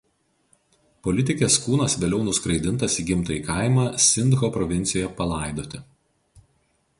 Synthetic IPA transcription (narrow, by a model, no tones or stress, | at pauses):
pɔlʲɪt̪ʲɪkʲeːskuːnɐsʋʲeːlʲɛʊnʊskɾɐɪd̪ʲɪnt̪ɐsiɡʲɪmt̪ɐiːkɑˑɪmɑːsʲɪnd̪ɣopɾɔʋʲɪnʲt̪sʲɪjoːjɛpɐlˠɑˑɪd̪oːt̪ʲɪ